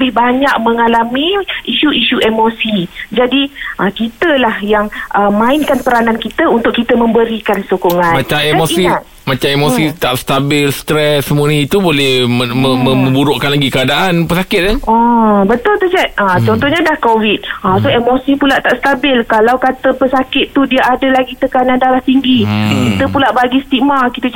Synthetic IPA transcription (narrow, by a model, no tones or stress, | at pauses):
əbɪhbaɲak̚məŋalamĩiʃuʔiʃuʔemosid͡ʒadiʔəkit̪əlahjaŋʔəmãɪnkanpəɾanankit̪əunt̪ʊkːit̪əmə̃mbəɾikansokɔŋãnmat͡ʃaeamosi | mat͡ʃaemosit̪aʔst̪abɪlst̪ɾɛsːəmuanĩit̪ubolɛhəməməmə̃buɾoʔkanlaɡikəadaʔanpəsakɪt̪̚aabət̪ʊlt̪əd͡ʒɛt̪̚ət͡ʃɔnt̪ɔhɲadahkowit̪̚ʔasoɦemosipulaʔt̪aʔsə̥t̪abɪlkalawkat̪əpəsakɪt̪ːudiaʔadəlaɡit̪əkanandaɾaht̪iŋɡikit̪əpulaʔbaɡist̪ik̚makit̪ə